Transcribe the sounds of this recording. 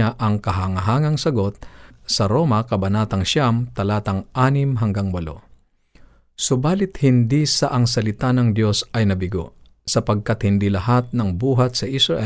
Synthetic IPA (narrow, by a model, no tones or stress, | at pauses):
aʔɐŋkɐɦaŋɐɦaːŋɐŋsɐɡo̞t̪̚sɐɾo̞ːmɐkɐbɐnaːt̪ɐŋʃamt̪ɐlaːt̪ɐŋʔaːnɪmɦɐŋɡaŋbɐlo̰ | sʊbaːlɪt̪hɪnd̪isaʔɐŋsɐlɪt̪anɐŋd̪jo̞sɐjnɐbɪɡo̰ | sɐpɐɡ̚kat̪hɪnd̪ilɐhat̪̚nɐŋbuːɦɐt̪̚sɐʔɪsɹɐʔɛ